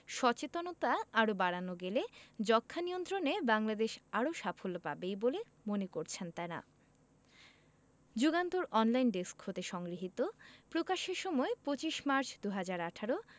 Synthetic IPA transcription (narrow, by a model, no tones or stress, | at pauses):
ʃɔt͡ɕet̪onot̪aaɾobaɽanoɡeled͡ʑɔkʰːanijont̪ɾonebaŋlad̪eʃaɾoʃafʰolopa̰bejbole | monekoɾt͡ɕʰent̪ana̰ | d͡ʑuɡant̪oɾɔnlajnɖeskhot̪eʃɔŋɡɾiɦit̪opɾokaʃeɾʃɔmɔepɾot͡ɕiʃmaɾt͡ɕʰd̪uɦad͡ʑaɾaʈʰaɾo